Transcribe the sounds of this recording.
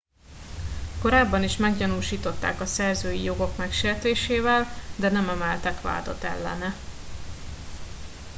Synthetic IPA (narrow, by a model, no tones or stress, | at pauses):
ko̞ɾaːbːɒniʃmɛɡɟɒnuːʃiːt̪o̞t̪ːa̰ːkɒsɛrzøːjijo̞ɡo̞kmɛkʃeːrt̪eːʃeːvɛld̪ɛnɛmɛmɛlt̪ɛkʋa̰ːd̪o̞̰t̪ɛ̰lːɛ̰nɛ